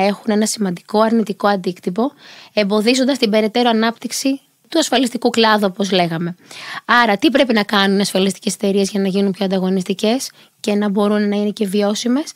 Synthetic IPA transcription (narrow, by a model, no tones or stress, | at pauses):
e̞xune̞nɐsimɐnd̪iko̞ɐɾnit̪iko̞ɐnd̪ikt̪ipo̞e̞mbo̞ðizo̞nd̪ɐst̪ibe̞ɾe̞t̪e̞ɾoɐnɐpt̪iksi | t̪uɐsfɐlist̪ikuklɐðuo̞po̞zle̞ɣɐme̞ɐɾɐt̪ipɾe̞pinɐkɐnunɐsfɐlist̪i̥ce̞se̥t̪e̞ɾie̞zʝɐnɐʝinunpço̞ɐnd̪ɐɣo̞nist̪ice̞s | ce̞nɐbo̞ɾunːɐine̞ce̞vio̞sime̞s